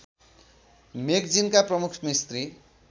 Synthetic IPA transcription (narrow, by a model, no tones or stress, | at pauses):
mekd͡zinkaprʌmukʰmist̪ri